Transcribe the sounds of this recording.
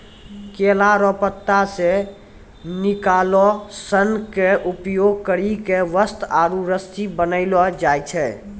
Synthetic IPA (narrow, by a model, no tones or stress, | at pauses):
kelaɾɔpət̪ːase | nikalɔsənkeʔupjoɡ̚kəɾikeʋəst̪aɾuɾəst̪ibənəɪlɔd͡ʒajt͡ʃʰɛ